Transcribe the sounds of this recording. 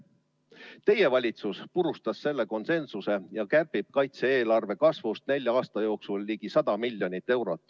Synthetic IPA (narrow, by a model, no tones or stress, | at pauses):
t̪e̞je̞vɑlʲit̪suspuɾust̪ɑsse̞lːe̞ko̞nse̞nsuse̞jɑkærpib̥̚kɑjt̪seeːlɑrve̞kɑsvust̪̚ne̞lʲjɑɑːst̪ɑjo̞ːksulːiːɡ̥isɑd̪̥ɑmilʲjo̞nit̪ːe̞wɾo̞t̪ːˑ